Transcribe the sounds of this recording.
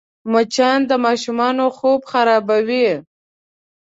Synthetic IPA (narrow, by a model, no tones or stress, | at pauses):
mʊt͡ʃɑnd̪əmɑʃumɑnoxobxaɾɑbawi